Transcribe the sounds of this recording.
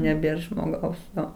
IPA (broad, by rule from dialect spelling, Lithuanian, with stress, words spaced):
nʲɛˈbʲeːr ʒmoːˈɡɐʊs ˈjoː